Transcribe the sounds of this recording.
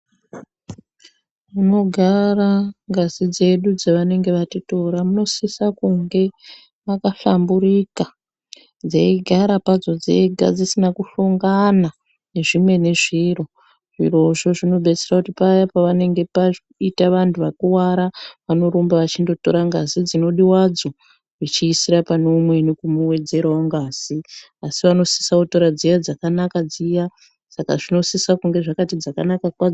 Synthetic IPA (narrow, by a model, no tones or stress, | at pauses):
muno̞ɡʱaraŋɡazid͡ze̞ɗud͡zaʋane̞ŋɡe̞ʋatito̞ɾamuno̞sisakuŋɡe̞ | makaɬambuɾika | d͡zeiɡʱaɾapad͡zo̞d͡zḛɡʱa̰d͡zisinakuɬoŋɡana | ne̞ʐimwe̞ne̞ʐiro̞ | ʐ̥ḭro̞ʐo̞ʐino̞ɓe̞t͡serakutipajapaʋane̞ŋɡe̞pa | itaʋantʰuʋakuwaɾaʋano̞ɾombaʋat͡ʃindo̞to̞̰ɾaŋɡazid͡zino̞ɗiwad͡zo̞ | ʐit͡ʃiːsiɾapanomwe̞nekumuwe̞d͡ze̞ɾaoŋɡaz̥i | asiʋano̞si̥saoto̞ɾad͡zijad͡zakanakad͡zija | sakaʐino̞sisakuŋɡe̞ʐakatid͡zaka̰nakakwa